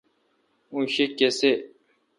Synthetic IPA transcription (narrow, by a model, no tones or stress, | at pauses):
ũɕekːese